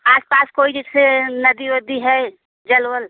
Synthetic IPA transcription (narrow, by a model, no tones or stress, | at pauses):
aːspaːskoːid͡ʒɪsenəd̪iʋəd̪iɦɛ | d͡ʒəlwəl